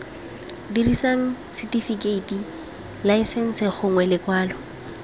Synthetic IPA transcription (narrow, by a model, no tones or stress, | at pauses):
dirisaŋ̩ | sɪtifikeiti | laɪsɛn̩sɪχʊŋwɛlɪkwaːlɔ